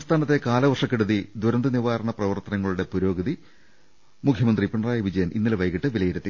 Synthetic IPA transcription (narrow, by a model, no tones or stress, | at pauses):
ɐmst̪ʰaːnɐt̪ːe̞kaːlɐʋɐrʂɐkːeɽuðid̪uɾɐnd̪ɐniʋaːɾɐɳɐprɐʋɐrt̪ɐnɐŋːɐɭuɽe̞puɾo̞ːɡɐði | mukʰjɐmɐnd̪ripiɳɐraːjɐʋid͡ʑɐjɐnḭnːɐlʋɐjkiʈːɨʋilɐjiɾɐt̪ːi